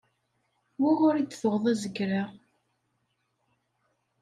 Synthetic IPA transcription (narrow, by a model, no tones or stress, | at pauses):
wiʁʊɾid̪θoʁðˤæzəkːɾa